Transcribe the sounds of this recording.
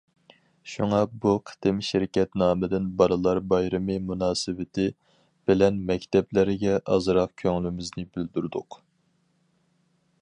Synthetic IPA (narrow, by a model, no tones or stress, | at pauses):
ʃuŋɑbuqʰə̥t̪ɪmʃɪɾɪkʲɛt̪nɑːmɨd̪ɪnbɑɾɨlˠɑɾbɑjɾɨmɨmunɑːsɨvɪt̪ʰɪ | b̥ɪlɛnmɛkʲt̪ʰɛblɪɾɡʲɛʔɑzɾɑq̚kʲʰøŋlymɪznɪbɪld̪yɾd̪ʊq